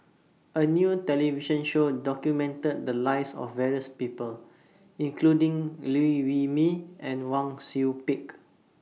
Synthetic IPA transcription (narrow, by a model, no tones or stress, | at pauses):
ənjutɛliviʃə̃nʃodɔkjumɛ̃ntəd̚dəlaɪsɔ̰fvɛɹiəspipəl | ĩŋkʰludĩŋluiwimiɛ̃nwãŋsupik